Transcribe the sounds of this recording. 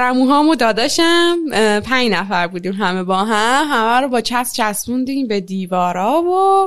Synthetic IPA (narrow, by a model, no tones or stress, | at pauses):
ɾæmuɦɒːmod̪ɒːd̪ɒʃæmpʰæɲnæfæɾbuːd̪iːmɦæme̞bɒːɦæmhæmæɾobɒːt͡ʃʰæst͡ʃʰæsmund̪iːmbed̪iːvɒːɾɒːvo